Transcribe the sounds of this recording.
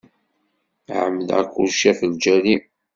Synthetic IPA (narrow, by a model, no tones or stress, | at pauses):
ʕəmːəlæ̰kːulʃæθəld͡ʒæli